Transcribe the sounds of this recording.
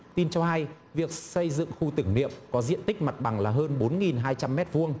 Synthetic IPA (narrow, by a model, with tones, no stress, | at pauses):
t̪i˧nt͡ɕɔ˧ha˧j | vi˨˩ək̚sə˧jzɨ̰˧˨ŋxu˧t̪ɨ˧˩ŋnḭ˧˨əmkɔ˨˦zḭ˧˨ənt̪ï˦˥k̟̚ma˨˩t̚ɓa˨˩ŋlaː˨˩ɦəː˧nɓo˨˦nŋi˨˩nɦaː˧jt͡ɕa˧mːɛ˦˥t̚vu˧əŋ